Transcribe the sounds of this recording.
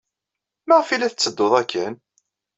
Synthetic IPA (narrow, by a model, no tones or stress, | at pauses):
məʁfilæθət͡sːəd̪ːoðˤækʰːən